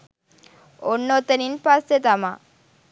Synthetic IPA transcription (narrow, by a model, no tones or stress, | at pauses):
onːot̪ɐninpaset̪ama